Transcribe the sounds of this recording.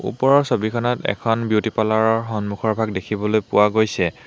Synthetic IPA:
ṵpɔɹɔɹsobikʰɔnɔtɛ̰kʰɔnbjutipalaɹɔɹɦɔnmukʰɔɹbʱaɡ̚dekʰibɔlojpʊwaɡojsɛ

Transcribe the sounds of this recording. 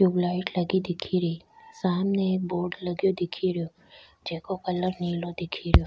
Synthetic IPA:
ublaɪʈləɡid̪ɪkʰiɾəisaːmnek̚boːɾɖləɡjod̪ɪkʰiɾjo | d͡ʒeːkokələɾnilod̪ɪkʰiɾjo

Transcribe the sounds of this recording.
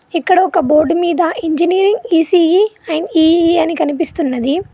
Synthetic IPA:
ikːɐɽɐɔkɐbo̞ːɾɖmiːd̪ɐʔiɲd͡ʒiniːɾiŋɡiːsiːiɐjniːiɐnikɐnipist̪unːɐd̪i

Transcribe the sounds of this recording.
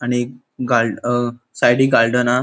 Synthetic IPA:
aɽ̃i | ɡal | sajɽiːɡalɖəna

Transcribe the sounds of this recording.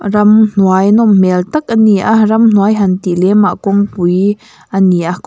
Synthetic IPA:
rɐmn̥wajnɔmmɛlt̪ak̚ʔaniʔahrɐmn̥wajɦant̪iʔlɛmaʔkɔŋpuj | ʔaniʔahk

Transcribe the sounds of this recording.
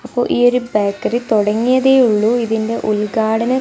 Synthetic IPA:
ɐpːo̰ːʔiːoɾubaːkːɐrit̪oɽɐŋːijɐðeːuɭːuiðinde̞ʔulɡaːɽɐnɐ

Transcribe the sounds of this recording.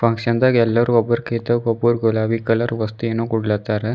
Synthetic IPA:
fɐŋɡsɐnd̪aːɡɛlːaːɾuɐbɐɾket̪ɐɡɔbɐɾɡɔlaːʋikɐlɐɾʋɐst̪uenːoːkɔɽulaːt̪ːaːɾe

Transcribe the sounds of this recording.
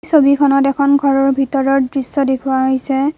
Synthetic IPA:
sobikʰɔnɔtɛkʰɔnɡʱɔɹɔɹbʱitɔɹɔɹdɹisːɔdekʰʊwaɦojsɛ

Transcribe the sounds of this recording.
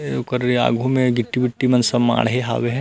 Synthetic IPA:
kəɾa̰ːɡʱũmẽɡɪʈːibɪʈːimɐnsɐma̰ːɽɦeɦa̰ːʋeɦɛ̃

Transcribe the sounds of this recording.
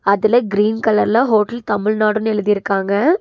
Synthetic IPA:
ɐðɪlɐɡɪɾiːnkɐlɐɾlaːɦoːʈɐlt̪ɐmɪɻnaːɽɯ̃nɛɻɯðɪjɪɾɯkːaːŋɡɐ

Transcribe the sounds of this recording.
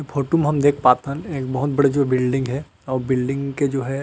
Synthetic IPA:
fʰoːʈomeɦɐmd̪eːkʰpaːt̪ɦɛ̃neːk̚bɐɦʊt̪̚bɐɽed͡ʒoːɦbɪlɖɪ̃ŋɡɦɛ | ɔːɾbɪlɖɪ̃ŋɡked͡ʒoːɦɛ

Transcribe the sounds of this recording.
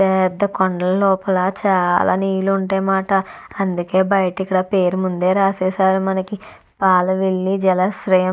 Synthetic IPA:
pɛd̪ːɐkoɳɖɐlɐlɔːpɐlɐt͡ʃaːlʔa̰ːniːjuluuɳʈeːmaːʈɐ | ɐnd̪uke̞ːbɐjʈikːɐɽaːpe̞ːɾumund̪e̞ːɾaːsɛːsaːɾumɐnɐki | paːlɐʋiɭːid͡ʒɛlɐsɾɐjɐ

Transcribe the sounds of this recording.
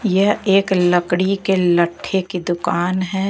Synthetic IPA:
jɐɦeːklɐkɽikelɐʈʰːeked̪ʊkaːnɦɛ

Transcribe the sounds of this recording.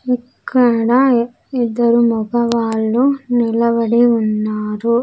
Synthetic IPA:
ikːɐɽɐ | id̪ːɐɾumubɐʋaːɭːunilɐbɐɽiunːaːɾu

